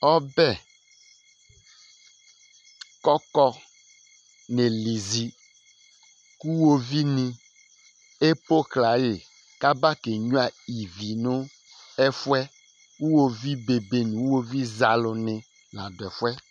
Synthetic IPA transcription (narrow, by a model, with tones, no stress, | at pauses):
ɔ˦bɛ˦ | kɔ˦kɔ˦ | ne˨li˨zi˨ | ku˦wo˦vi˦nĩ˨ | e˦po˦kla˨jɪ˨ | ka˦ba˦ke˨ɲũ˦a˨i˨vi˨nʊ̃˦ | ɛ˦fwɛ˦ | u˦wo˨vi˦be˨be˨nĩ˨wu˦wo˦vi˦za˨lʊ˨nɪ̃˨ | lã˨dɛ˨fʊ˦ɛ˦